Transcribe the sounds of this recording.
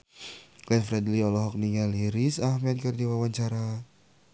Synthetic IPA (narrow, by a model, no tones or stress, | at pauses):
klɛnfɾɛd̪liɔlɔɦɔk̚niŋaliɾisahmɛt̪̚kɨrdiwawaɲt͡ʃaɾa